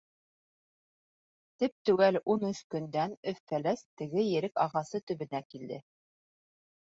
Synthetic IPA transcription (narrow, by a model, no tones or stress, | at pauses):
t̪ip̚t̪ʉɡælunɵʃkɵ̆nd̪ænɵθːælæst̪ɘ̆ɡɘjɘ̆ɾɘkɑʁɑsɤt̪ɵ̆βɘ̆nækild̪ɘ